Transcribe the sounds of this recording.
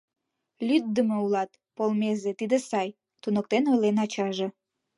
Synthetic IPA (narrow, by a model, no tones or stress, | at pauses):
lʲyd̪̚d̪əmeulɑt̪ | polmezet̪id̪esɑj | t̪unok̚t̪enojlenɑt͡ɕɑʒe